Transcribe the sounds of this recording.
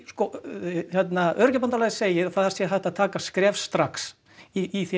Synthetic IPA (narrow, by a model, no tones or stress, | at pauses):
skɔçjɛt̪naœɾcapant̪alaːɣseːjɪaθaðɛɾ̥sjɛθɛht̪aðt̪ʰaːkaskɾɛːfsːt̪ɾaks | iiθ